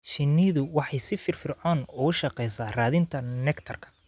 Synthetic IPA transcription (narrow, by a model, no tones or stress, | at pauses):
ʃɪnːiðʊwɑħɑjsɪfɪrfɪrʕɔːnʊʊʃɑqɛjsaːraːðɪnt̪ʰɐnɛkt̪ʰɐrkʰɐ̥